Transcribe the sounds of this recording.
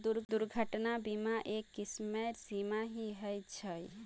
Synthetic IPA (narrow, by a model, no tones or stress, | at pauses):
d̪uɾd̪uɾɡʱəʈnabimaʔekːismeɾsimaɦiɦəjt͡ʃʰəj